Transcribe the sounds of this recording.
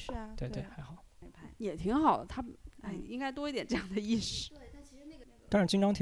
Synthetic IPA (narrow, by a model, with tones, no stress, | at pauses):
t̪we˥˧t̪we˥˩xa˧˥ɪxɑ˨˩˦pʰjɛ˨˩t̪ʰi˧˥ŋxɑ˨˩ʊlt̪ʰa˥˩i˥ŋka˥ɪt̪wɔ˥i˧˥t̪jɛ˨˩nʈ͡ʂɤ˥˧jɑ˥˩ŋd̪ə˩i˥˧ʂ̩˥˩ | t̪ɑ˥ŋɻa˧˥nt͡ɕi˥nʈ͡ʂɑ˥ŋt̪ʰ